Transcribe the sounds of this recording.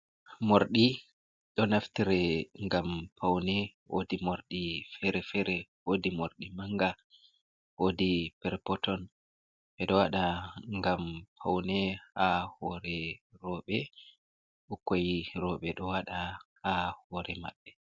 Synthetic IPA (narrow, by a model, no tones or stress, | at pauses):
moɾɗi | ɗɔnaftiɾɛŋɡampʰawnɛwo̰dimoɾɗifɛɾɛfɛɾɛwodimoɾɗimaŋɡa | wodipɛɾpɔtɔn | ɓɛɗɔwaɗaŋɡampʰa̰wnɛhahɔɾɛɾɔɓɛ | ɗɔkːojiɾɔɓɛɗɔwaɗahahɔɾʔɛma̰ɓːɛ